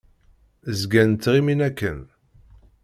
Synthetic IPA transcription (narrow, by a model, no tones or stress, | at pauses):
zɡænt̪ːʁiminækːən